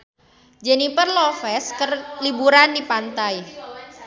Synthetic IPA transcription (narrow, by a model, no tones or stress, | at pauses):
d͡ʒɛnipərlɔfɛskərlibuɾandipant̪aj